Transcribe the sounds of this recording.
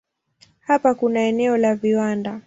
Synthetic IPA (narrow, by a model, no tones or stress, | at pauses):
hapakunaɛnɛɔlaviwanda